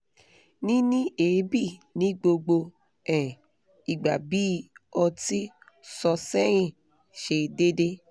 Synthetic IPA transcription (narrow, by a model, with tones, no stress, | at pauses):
nĩ˦nĩ˦e˨˦bi˦˨nĩ˨˦ɡ͡bo˧ɡ͡bo˧ | ɛ̃˨ | i˨ɡ͡ba˨bi˨˦ɔ˧ti˦ | sɔ˧sɛ˦ɾ̃ĩ˦˨ | ʃe˧de˦de˦